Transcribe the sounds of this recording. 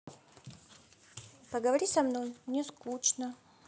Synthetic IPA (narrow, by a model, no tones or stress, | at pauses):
pəɡəvɐɾʲisɐmnojmnʲɛskut͡ʃnə